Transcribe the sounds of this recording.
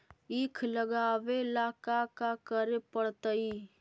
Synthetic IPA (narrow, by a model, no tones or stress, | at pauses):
iːkʰləɡaːʋelaːkakakəɾepəɽt̪əi